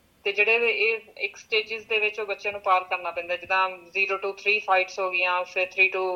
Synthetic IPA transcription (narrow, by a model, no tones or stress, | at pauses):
t̪eːd͡ʒeːɽeːeːɪksʈeːd͡ʒɪzd̪eːʋɪt͡ʃoːbətːʃjãːnũːpaːɾkəɾnaːpɛ̃ːnd̪aːd͡ʒɪd̪ãːziːɾoːʈuːt̪ʰɾiːpʰaːɪʈsɦoːɡɪjãːfʰɪɾt̪ʰɾiːʈuː